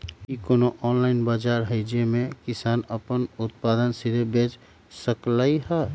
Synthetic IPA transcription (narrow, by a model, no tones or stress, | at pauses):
ikonoʔɔːnlaɪnbaːd͡ʒaɾɦəɪd͡ʒemẽkɪsaːnəpənʊt̪̚pad̪ənsid̪ʱebet͡ʃ | səklaiɦɛ